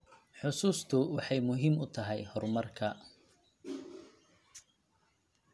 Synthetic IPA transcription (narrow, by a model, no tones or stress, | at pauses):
ħʊsuːst̪ʰʊwɑħɑjmʊɦiːmʊt̪ʰɐɦɛjhɔrmɐrkʰɐ